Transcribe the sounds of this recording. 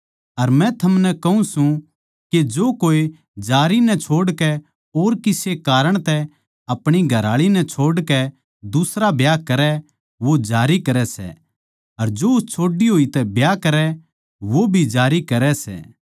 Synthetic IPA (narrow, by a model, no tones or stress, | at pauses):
ɐɾmɛ̃t̪ʰɐmnɛkɐɦũsũ | ked͡ʒoːkoːe | d͡ʒaːɾinɛt͡ʃʰoːɽkɛ | oːɾkɪsekaːɾəɽ̃t̪ɛ | ɐpɽ̃iɡʱɐɾaːɭinɛ̃t͡ʃʰoːɽkɛ | d̪ʊsɾabjaːkɐɾɛ | ʋod͡ʒaːɾikɐɾɛsɛ̰ | ɐɾd͡ʒoʊst͡ʃʰoːɖiɦoːit̪ɛbjaːkɐɾɛ | ʋobʱid͡ʒaːɾikɐɾɛsɛ̰ː